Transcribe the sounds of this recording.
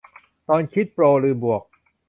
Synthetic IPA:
t̪ɔː˧nkʰi˦˥t̪̚pɾoː˧ɾɯː˧bu˨˩ək̚

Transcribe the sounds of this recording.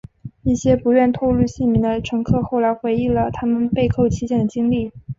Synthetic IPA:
i˥˩ɕjɛ˥pu˧˥ɥɛ˥˧nt̪ʰo˥˧lu˥˧ɕi˥˩nmi˧˥ŋd̪ə˧ʈ͡ʂʰɤ˧˥ŋkʰɤ˥˧xo˥˩ʊla˧˥ɪxwe˧˥ɪi˥˩ŋlə˩t̪ʰa˥mə˨npe˥˧ɪkʰo˥˩ʊt͡ɕʰi˥t͡ɕjɛ˥˩nd̪ə˩t͡ɕi˥ŋli˥˩

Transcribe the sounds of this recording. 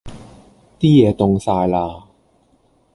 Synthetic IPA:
t̪iː˥jɛː˨˧˥t̪ʊ˧ŋsaː˧jlaː˧

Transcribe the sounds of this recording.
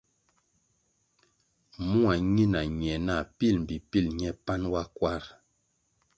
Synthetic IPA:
mu˦a˨ɲi˦na˨ɲ˨ɛ˨na˦˨pi˦˨lm̩˨bi˨pi˦˨lɲɛ˦pa˦nwa˦kwa˦ɾ

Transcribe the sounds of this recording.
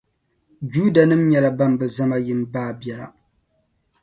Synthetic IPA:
d͡ʒuː˦da˨nɨ˦mɲɛ˨la˨ba˦mbɨ˨za˦ma˦ji˦mbaː˦bɛ˦la̰˨

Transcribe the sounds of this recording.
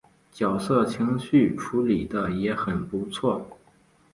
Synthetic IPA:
t͡ɕjɑ˨˩ʊsɤ˥˩t͡ɕʰi˧˥ŋɕy˥˩ʈ͡ʂʰu˧˥li˨˩d̪ə˦jɛ˧˥xə˨˩npu˧˥t͡sʰwɔ˥˩

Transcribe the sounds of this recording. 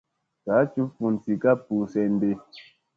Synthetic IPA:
ka˨˦t͡ʃu˦fu˨n˨ti˨ka˦pu˨sɛ˨n˦de˦

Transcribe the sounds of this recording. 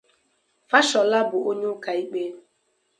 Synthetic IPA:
fa˦ʃɔ˨la˦bʊ˨o˦ɲe˦ʊ˦ka˨i˦k͡pe˦

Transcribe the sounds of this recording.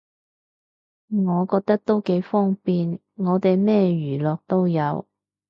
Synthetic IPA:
ŋɔː˨˧kɔː˧k̚t̪ɐ˥k̚t̪o˥wke˨˥jfɔː˥ŋpiː˧n | ŋɔː˨˧t̪e˨jmɛː˥jyː˨˩lɔː˨k̚t̪o˥wjɐ˨˧w

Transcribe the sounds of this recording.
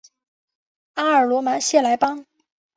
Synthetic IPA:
a˥ə˞˨˩lwɔ˧˥ma˧˥ɕjɛ˥˩la˧˥ɪpɑ˥ŋ

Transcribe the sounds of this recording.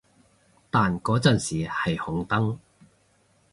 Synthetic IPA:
t̪aː˨nkɔː˨˥t͡sɐː˨nsiː˨hɐ˨jhʊ˨˥ŋt̪ɐ˥ŋ

